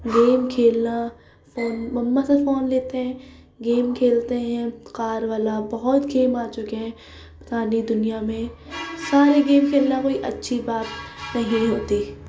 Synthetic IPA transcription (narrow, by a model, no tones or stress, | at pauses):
ɡeːmkʰeːlna | foːnmɐmːasefoːnleːt̪eɦɛ̃ː | ɡeːmkʰeːlt̪eɦɛ̃kaːɾʋaːlabɐɦɔt̪ɡeːmaːt͡ʃʊkeɦɛ̃ | pt̪aːnid̪ʊnijamẽsaːɾeɡeːmkʰeːlnakoːiʔɐtːʃʰibaːt̪nɐɦĩɦoːt̪iː